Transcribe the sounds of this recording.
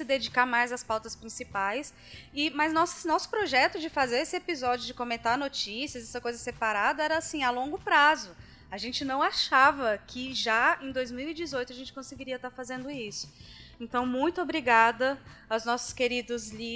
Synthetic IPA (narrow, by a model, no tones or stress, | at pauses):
sɪd̪ed͡ʒikaɾmajzɐspawt̪ɐspɾĩsipajs | ɪmɐznɔsnɔsʊ̥pɾoʒɛt̪ʊd͡ʒɪfazeɾesɪepizɔd͡ʒjʊd͡ʒɪkõmẽnt̪aɾnot͡ʃisiɐzɛsɐkojzɐsepaɾad̪ɐɛɾɐasĩalõŋɡʊpɾazʊ | aʒẽnt͡ʃɪnɐ̃w̃aʃavɐkʰɪʒaẽj̃d̪ojzmiwid͡ʒɪzojt̪ʊɐʒẽnt͡ʃɪkõsɪɡiɾiɐt̪aɾfazẽnd̪ʊisʊ̥ẽnt̪ɐ̃w̃mũj̃t̪ʊobɾiɡad̪ɐawznɔsʊ̥skeɾid̪ʊzli